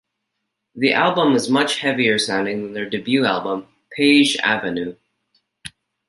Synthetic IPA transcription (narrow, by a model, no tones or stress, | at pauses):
ðiʔælˠbə̃mɨzmʌt͡ʃhɛviə˞sãʊ̃ndɪ̃ŋðɨ̃nðə˞dɨbjʉælˠbə̃m | pʰeɪd͡ʒæ̰vɨnʉ